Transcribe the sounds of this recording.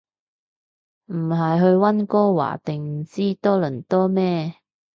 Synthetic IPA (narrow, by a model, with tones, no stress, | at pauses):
m̩˨˩ɦɐ˨jɦɵ˧ɥwɐ˥nkɔː˥wa̰ː˨˩t̪ɪ˨˩ŋm̩˨˩t͡siː˥t̪ɔː˥lɵ˨˩nt̪ɔː˥mɛː˥